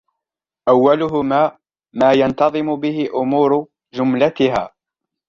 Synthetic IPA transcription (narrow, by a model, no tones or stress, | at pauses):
ʔawːalʊɦʊmaː | maːjant̪ɑðˤɨmʊbɪhɪʔʊmuːɾʊ | d͡ʒʊmlat̪ɪɦa̰ː